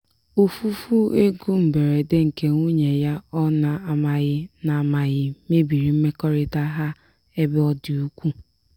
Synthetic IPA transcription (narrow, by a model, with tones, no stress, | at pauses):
u˨fu˦fu˦e˦ɡu˦m̩˨be˨ɾe˨de˦ŋ̩˨ke˦ŋʷu˦ɲe˨ja˦ɔ˦na˨a˨ma˨ɣɪ˦na˨a˨ma˨ɣɪ˦me˦bi˨ɾi˨m̩˦me˦kɔ˦ɾɪ˦ta˦ɦa˦ | e˦bɪ˦ɔ˦dɪ˨u˦kʷu˦